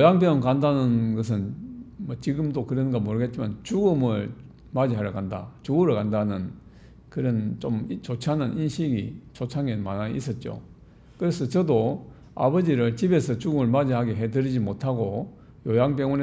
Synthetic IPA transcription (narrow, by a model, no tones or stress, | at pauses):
jojaŋpjʌŋʌnkandanɯnɡʌs̬ʰɯnmʌt͡ɕiɡɯmdokɯɾʌnɡamoɾɯɡe̞t̚t͡ɕ͈imant͡ɕuɡɯmɯɭ | mad͡ʑiɦaɾjʌkanda̰t͡ɕuɡɯɾɯɭkandanɯn | kɯɾʌnt͡ɕomt͡ɕot͡ɕʰiɦanɯnʔinɕʰiɡit͡ɕot͡ɕʰaŋemanaḭs͈ʰʌt̚t͡ɕ͈o̰ | kɯɾesʰʌt͡ɕʌdo | a̰bʌd͡ʑiɾɯɭt͡ɕibe̞sʰʌt͡ɕuɡɯmɯɭmad͡ʑiɦaɡeɦedɯɾid͡ʑimotʰaɡo | jojaŋpjʌŋʌne